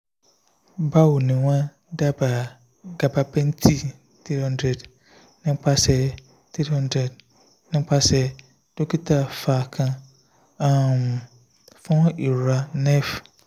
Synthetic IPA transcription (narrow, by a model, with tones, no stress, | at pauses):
ba˦wu˨nĩ˨wã˦ | da˦ba˨ | ɡa˨ba˨bʰɛ̃˦n˦tʰi˦ | tʰi˦hɔ̃˦ndɾɛ˨d | nɪ̃˦m̩˦k͡pʰa˦sɛ˨ | tʰɾi˦hɔ̃˦ndɾɛ˨d | nɪ̃˦m̩˦k͡pʰa˦sɛ˨ | d̥o˦kʰi˦tʰa˦˨faː˨kʰã˦ | ã˦˨m˨ | fã˦ʔi˨ɾɾa˦nɛ̃˦f